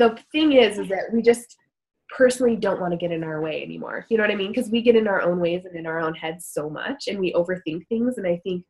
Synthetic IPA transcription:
ðəθɪ̃ŋɪzɨzðɨʔ̚wid͡ʒʌst | pʰɜ˞sn̩l̩ˠidõʊ̃nʔwɑ̃ñɨɡɛɾɨ̃naʊə˞weɪɛ̰nḭmɔ̰ɹjɨnoʊwʌɾaɪmĩnkʰʌzwiɡɛɾɨ̃naʊə˞ʔõʊ̃nweɪzɨ̃nɨ̃naʊə˞õʊ̃nhɛdz̥soʊmʌ̰t͡ʃɨ̃nwiʔoʊvə˞θɪ̃ŋk̚θɪ̃ŋzɨ̃naɪθɪ̃ŋk̚

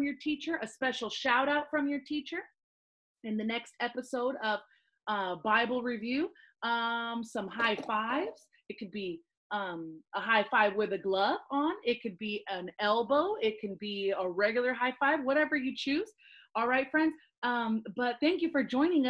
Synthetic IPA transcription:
mjə˞tʰit͡ʃə˞ʔɨspɛʃl̩ˠʃaʊɾaʊtfɹʌ̃mjə˞tʰit͡ʃə˞ | ɨ̃nðɨnɛkstʰɛpɨsoʊɾʌv̥ | ʌbaɪbl̩ˠɹivjʉ | ʌ̃msʌ̃mɦaɪfaɪvz̥ | ɨt̚kʰɨd̚bi | ʌ̃mʔəɦaɪfaɪvwɪðɨɡlʌvə̃n̩ɪt̚kʰɨd̚biʔə̃nɛlˠboʊɪt̚kʰɨ̃n̩biəɹɛɡjl̩ˠə˞ɦaɪfaɪvwʌɾɛvə˞jɨt͡ʃʰʉz̥ | ʔɔlˠɹaɪtfɹɛ̃ndz̥ | ʌ̃mb̥ʌt̪̚θæ̃ŋk̬jɨfə˞d͡ʒɔ̃ɪ̃ñɪ̃ŋʌ

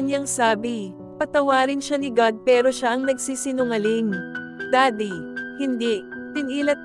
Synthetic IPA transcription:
ɲaŋsaːbi | pɐt̪ɐwaːɾɪnʃanɪɡad̪̚pɛːɾo̞ʃaʔɐŋnɐɡ̚siːsɪnʊŋɐlɪŋd̪aːd̪ihɪnd̪iʔtɪniːlɐt̪̚

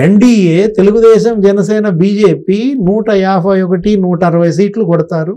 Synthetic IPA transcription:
eɳɖiːeːt̪e̞luɡud̪ɛːʃɐmd͡ʒɛnɐsɛːnɐbiːd͡ʒeːpiːnuːʈɐjaːbʱɐjɔkɐʈinuːʈɐːɾɐʋɐjs̬iːʈlukɔɽɐt̪aːɾu

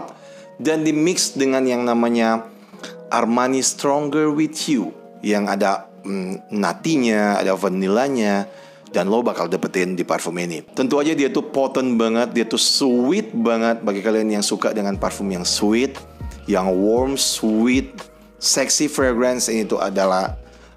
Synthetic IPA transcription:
dandimɪksdəŋanjaŋnamaɲa | ʔa̰rmanist̪ɾɔŋɡərwit̪ju | jaŋada | na̰t̪iɲaa̰davənːilaɲa | danlobakaldapət̪indipa̰rfuminit̪ənt̪uad͡ʒadiat̪upɔt̪ənbaŋət̪̚diat̪uswɪt̪̚baŋət̪̚baɡikalianjaŋsuka̰dəŋanparfʊmjaŋsuɪt̪̚jaŋwɔrmswɪt̪̚ | sɛksifɾɛɡɾɛnsinit̪uʔa̰dalah

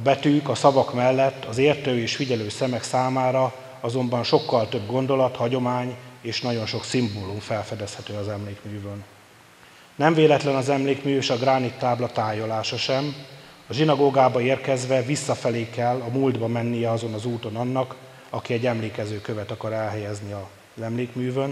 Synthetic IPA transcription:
ɒbɛt̪yːkɒsɒvɒkmɛlːɛt̪ːɒzeːrt̪øːeːʃfiɟɛløːsɛmɛksaːmaːɾɒ | ɒzo̞mbɒnʃo̞kːɒlt̪ø̞bɡo̞nd̪o̞lɒt̪hɒɟo̞maːɲeːʃnɒɟo̞nʃo̞ksimboːlumfɛlfɛd̪ɛshɛt̪øːɒzɛmleːkmyːvøːn | nɛɱveːlɛt̪lɛnɒzɛmleːkmyːeʃɒɡraːnit̪ːaːblɒt̪aːjo̞laːʃɒʃɛm | ɒʒinɒɡoːɡaːbɒeːrkɛzʋɛvisːɒfɛleːkɛlːɒmuld̪bɒmɛnːijɛɒzo̞nɒzuːt̪o̞nɒnːɒk | ɒkiɛɟːɛmleːkɛzøːkø̞vɛt̪ɒkɒɾɛlɦɛjɛzniɒ | zɛmleːkmyːvøn

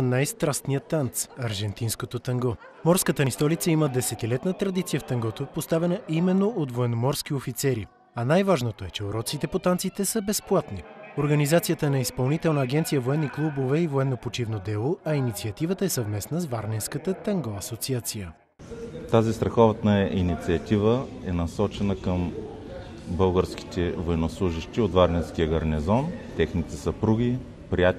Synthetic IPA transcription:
najst̪ɾast̪nijət̪ːant̪sɐɾʒɛnt̪inskot̪ot̪ɐŋɡɔ | mɔɾskət̪əst̪ɔlit̪səiməd̪ɛsɛt̪ilɛt̪nət̪ɾɐd̪it̪sijəft̪ɐŋɡɔt̪opost̪avɛnəimɛnːoʔot̪voɛnomɔɾsk̟iofit̪sɛɾi | ɐnajvaʒnot̪oɛt͡ʃɛoɾɔt̪sit̪ɛpot̪ant̪sit̪ɛsəbɛsplˠat̪nioɾɡɐnizat̪sijət̪ənɐispɐlˠnit̪ɛlˠnəːɡɛnt̪sijəvoɛnːiklˠubovɛivoɛnːopot͡ʃivnod̪ɛlˠoɐinit̪siɐt̪ivət̪əɛsɐvmɛsnəszvaɾnɛnskət̪ət̪əŋɡoɐsot̪siat̪sijə | t̪azist̪ɾɐxɔvət̪nəinit̪siɐt̪ivəɛnɐsɔt͡ʃɛnəkəm | bɤlˠɡəɾski̥t̪ɛvoɛnoslˠuʒiʃt̪iot̪vaɾnɛnsk̟iəɡɐɾnɛzɔnt̪ɛxnit̪ɛsəpɾuɡ̟ʲi | pɾijat̪

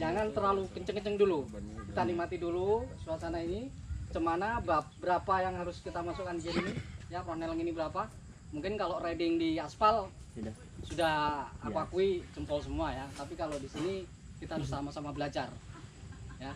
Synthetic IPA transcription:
d͡ʒaŋant̪ərlalukəɲt͡ʃəŋkət͡ʃəŋdulukit̪anik̚mat̪idulusuasanainit͡ʃəmanababəɾapajaŋɦaɾʊskit̪amasukandiɡiɾinijarohnɛləŋinibəɾapa | muŋkɪnkaloredɪŋdiaspal | sudahakuakuit͡ʃəmpɔls̬əmuajat̪ap̬ikalodisini | kit̪aɦaɾʊsamasamabəlad͡ʒar | ja

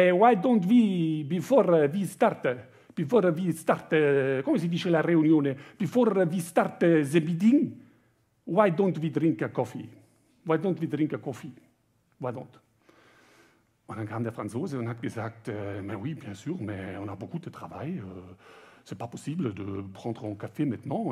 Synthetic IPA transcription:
ɛwajd̪ɔ̃nt̪wibifɔʁvist̪art̪ə | b̥ifɔɾvist̪aʁt̪əkɔmas̬əd̪iʃelaʁeynjɔ̃neb̥ifoʁvist̪art̪əzəbid̪iŋ | wajd̪ɔ̃nt̪vid̪ʁĩŋkəkɔfi | wajd̪ɔ̃nt̪wid̪ʁĩŋkəkɔfi | wajd̪ɔ̃nt̪ | ɔ̃d̪ãnkʰamd̪ɛfʁãnsoːzeɔ̃nhat̪ɡ̥əzak̚t̪ømɛwibjɛ̃syːʁmɛɔ̃nabokud̪ət̪ʁ̥avajø | sɛpapɔsiːbləd̪əpʁɑ̃ːd̪ʁəɔ̃kafemɛ̃t̪nɑ̃

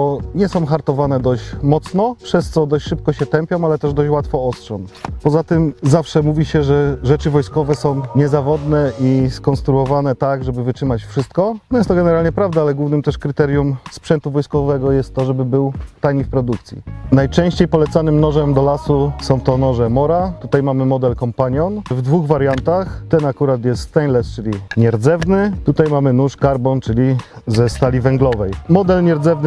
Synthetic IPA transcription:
ɔɲɛsɔ̃w̃xaɾt̪ɔvanɛd̪ɔɕt͡ɕmɔt̪snɔpʂɛst̪sɔd̪ɔɕt͡ɕʂɘp̚kɔɕɛt̪ɛmpʲjɔ̃w̃alɛt̪ɛʐd̪ɔt͡ɕwat̪fɔɔstʂɔmpɔzat̪ɘmzafʂɛmuvʲiɕɛʐɛʐɛt͡ʂɘvɔjskɔvɛsɔ̃w̃ɲɛzavɔd̪nɛʔiskɔnst̪ɾuɔvanɛt̪aɡʐɛbɘvɘtʂɘmat͡ɕfʂɘst̪kɔnɔjɛst̪ɔɡɛnɛɾalɲɛpɾavd̪aalɛɡwuvnɘmt̪ɛʂkɾɘt̪ɛɾjumspʂɛnt̪uvɔjskɔvɛɡɔjɛst̪ːɔʐɛbɘbɘwt̪ajɲifpɾɔd̪uk̚t̪sʲjḭnajt͡ʂɛ̃w̃ɕt͡ɕejpɔlɛt̪sanɘmnɔʐɛmd̪ɔlasusɔ̃w̃t̪ɔnɔʐɛmɔɾat̪ut̪ajmamɘmɔd̪ɛlkɔmpaɲjɔnvd̪vuɣvaɾjant̪axt̪ɛnakuɾat̪jɛst̪t̪ɛɲlɛst͡ʂɘlʲiɲɛɾd̪zɛvnɘt̪ut̪ajmamɘnuʂkaɾbɔnt͡ʂɘlʲizɛst̪alʲivɛŋɡlɔvɛjmɔd̪ɛlɲɛɾd̪zɛvn

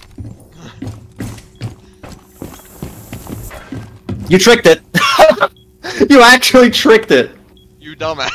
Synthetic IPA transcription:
jɨtʰɹ̥ɪk̚tɪt̚ | jɨæk̚t͡ʃul̩ˠitʰɹ̥ɪk̚tɪt̚ | jɨdʌ̃m

